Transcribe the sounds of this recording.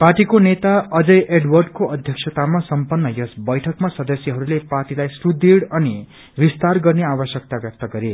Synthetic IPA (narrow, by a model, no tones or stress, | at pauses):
parʈikonet̪aʌd͡zʌjʔeɖwʌrɖkoʌd̪ʱjʌksʰʌt̪amasʌmpʌnːʌjʌsbʌjʈʰʌkmasʌd̪ʌsjʌɦʌɾuleparʈilajsrud̪iɽʌni | bist̪arɡʌrneabʌsjʌk̚t̪aɡʌkt̪ʌɡʌɾe